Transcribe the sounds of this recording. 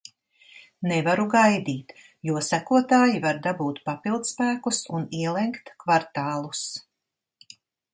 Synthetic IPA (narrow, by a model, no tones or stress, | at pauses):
nɛvaɾuɡajd̪iːt̪ | juɔsækuɔt̪aːjivaɾd̪abuːt̪papilˠd̪spæːkusuniɛlˠɛŋkt̪kvaɾt̪aːlˠus